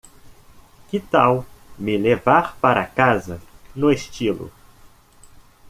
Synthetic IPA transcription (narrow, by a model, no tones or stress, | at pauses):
kɪt̪awmɪlevaɾpaɾakazɐnʊeʃt͡ʃilʊ̰